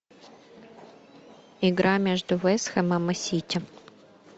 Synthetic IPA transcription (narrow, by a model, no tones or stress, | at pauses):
ɪɡɾamʲeʐd̪ʊvɛsxɛmɐmɨsʲitʲɪ